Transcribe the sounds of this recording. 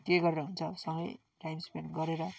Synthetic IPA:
keɡʌɾeɾʌɦunt͡sʰʌsʌŋɡʌ̰j | ʈajmspenɡʌɾeɾʌ

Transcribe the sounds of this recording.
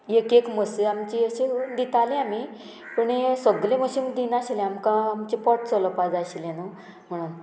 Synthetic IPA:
jekekməseamt͡ɕiəɕed̪it̪alẽami | pəɳesəɡleməɕimd̪ʱinaɕilẽamkãːmt͡ɕipɔʈt͡sɔləpad͡zaɕilenə | m̤əɽ̃uːn

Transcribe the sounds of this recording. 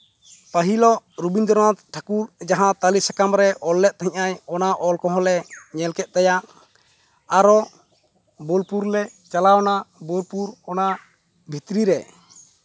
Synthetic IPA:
paɦilɔʔɾubind̪ɔɾnat̪ʈʰakuɾd͡ʒaɦãt̪alisakamɾɛʔɔlːɛt̪̚t̪ɦɛ̃ɲaɲɔnaʔɔlkɔɦɔ̃lɛɲɛlkɛt̪̚ˀt̪ajaʔ | aɾɔ | bɔlpuɾlɛt͡ʃalaɔnabɔlpuɾɔna | bʱit̪ɾiɾɛ

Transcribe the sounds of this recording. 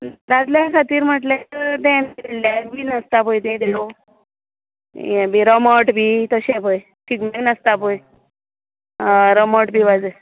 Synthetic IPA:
ɾad͡zljakʰat̪iːɾm̤əʈlat̪əd̪ɛ̃nkilljabinəst̪apojd̪ẽd̪elo | jɛ̃biɾəməʈbiːt̪əɕepəj | ʈʰiːkmeinəst̪apoj | ɾəməʈ̚biʋad͡ze

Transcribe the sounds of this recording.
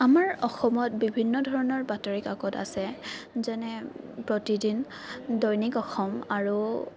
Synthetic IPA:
amaɹɔxɔmɔt̚bibʱinːɔdʱɔɹɔnɔɹbatɔɹikakɔta̰sɛzɛnɛ | pɹɔtidin | dɔjnikɔxɔmaɹu

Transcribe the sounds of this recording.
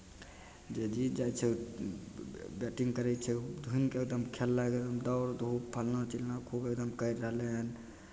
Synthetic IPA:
d͡ʒed͡ʒid͡ʒajt͡ʃʰɛ | bɛʈiŋɡkəɾɛt͡ʃʰɛd̪ʱuinkeːk̚d̪əmkʰelːaeɡ̪əmd̪əʊɾd̪ʱubpʰəlnat͡ʃilnakʰubek̚d̪əmkəjɾːəɦleɦən

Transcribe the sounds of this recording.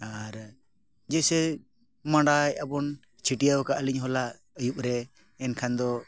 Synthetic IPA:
aɾ | d͡ʒɛsɛ | maɳɖajabɔn | t͡ʃʰiʈijawkaʔəliɲɦɔlaʔ | əjup̚ɾɛː | nkʰand̪ɔ

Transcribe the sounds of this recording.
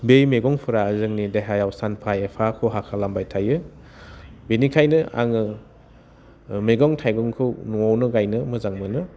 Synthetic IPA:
bejmeɡɔŋpʰɯɾaːzɯŋnideɦajawsʰanpʰajepʰakʰɔɦakʰalambajtʰajɯ | benikʰajnɯʔa̰ŋɯ | meɡɔŋtʰajɡɔŋkʰɯwnuawnɯɡajnɯmɯzaŋmɯnɯ

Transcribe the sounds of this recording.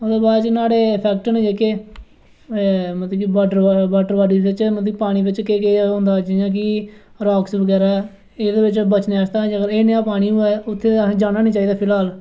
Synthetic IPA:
od̪eːbaːd̪t͡ʃnaːɽeːpʰɛːk̚ʈnẽd͡ʒeːkeː | mət̪ləkibaɖəɾbaːɖəɾbaːɖiːd̪ɪt͡ʃmət̪ləɡipaːɽ̃iːbɪt͡ʃkeːkeːɦʊ̃ːnd̪aːd͡ʒijãːk̬ɪ | ɾoːksbəɡɛːɾa | ɪd̪eːbɪt͡ʃbət͡ʃneaːst̪aːd͡ʒakəɾeːnejaːpaːɽ̃iːuːɛːʊt̪ʰːẽːd͡ʒaːnaːnĩːt͡ʃaːiːd̪aːpʰɪlaːl

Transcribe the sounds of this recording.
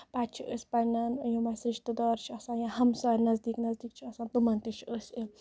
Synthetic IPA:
baːt̪̚t͡ʃʰiʔəːsʲpɐnɐnjõmɐsɾiʃt̪ɨd̪ɔːɾt͡ʃʰiɐsãːnjãɦɐmsaːɾʲnɐzd̪iːknɐzd̪iːk̚t͡ʃʰiɐsãːnt̪umɐnt̪it͡ʃʰiəːsʲe

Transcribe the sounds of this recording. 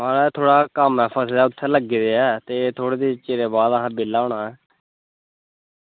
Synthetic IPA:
maːlɛːt̪ʰoːɽaːkəmːɛːpʰəsed̪aːʊt̪ʰːɛ̃ːləɡːiːd̪eːɛːt̪eːt̪ʰoːɽeːd̪eːt͡ʃeːd̪eːbaːd̪əɦãːbɪlːaːõːɳaːɛː

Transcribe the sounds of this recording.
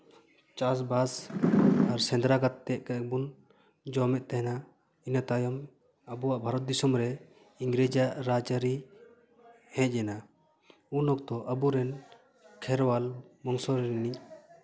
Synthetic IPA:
t͡ʃas̬bas | aɾsɛ̃nd̪ɾaɡat̪ːɛʔ̚kak̚bun | d͡ʒɔmɛt̪̚ˀt̪ɛɦɛna | inat̪ajɔm | əbuwaʔbʱaɾɔt̪̚d̪isɔmɾɛ | iŋɡɾɛd͡ʒaʔɾad͡ʒaɾi | hɛ̃c̚ˀɛna | unɔk̚t̪ɔʔəbuɾɛn | kʰɛɾwalmɔŋsɔɾɛɾinic̚

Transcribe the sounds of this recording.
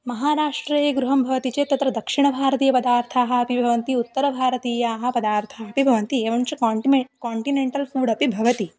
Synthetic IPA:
mɐɦaːɾaːʂʈɾɐjeːɡɾuɦɐmbʱɐʋɐt̪it͡ʃeːt̪ɐt̪ɾɐd̪ɐkʂiɳɐbʱaːɾɐt̪iːjɐpɐd̪aːɾt̪ʰaːɦɐɐpibʱɐʋɐnt̪iut̪ːɐɾɐbʱaːɾɐt̪iːjaːɦɐ̆pɐd̪aːɾt̪ʰaːɐpibʱɐʋɐnt̪ieːʋɐnt͡ʃukːiekaːɳʈineɳʈɐlfuːɽɐpibʱɐʋɐt̪i

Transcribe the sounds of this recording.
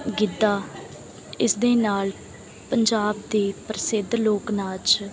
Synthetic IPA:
ɡɪd̪ːaː | ɪsd̪eːnaːl | pəɲd͡ʒaːb̚d̪eːpɾəsɪd̪loːknaːt͡ʃ

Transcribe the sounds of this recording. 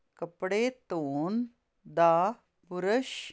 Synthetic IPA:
kɐpɽeːt̪oːn | d̪aː | puɾəʃ

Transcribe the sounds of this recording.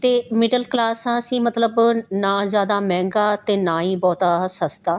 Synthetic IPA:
t̪eːmɪɖəlklaːsãːəsĩːmət̪ləbnãːzjaːd̪aːmɛ̃ːŋɡaːt̪eːnãːĩːbɔːt̪aːsəst̪aː

